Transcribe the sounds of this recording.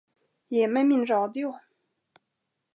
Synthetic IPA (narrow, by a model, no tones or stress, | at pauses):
jɛmeɪminʈ͡ʂɑʊt̪joʊ